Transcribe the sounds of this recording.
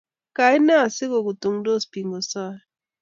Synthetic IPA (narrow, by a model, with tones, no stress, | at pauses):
ka˨i˦na˦˨si˦ɣo˨ɡu˨tu˨ŋ˦do˦spi˨ŋɡɔ˨sa˦˨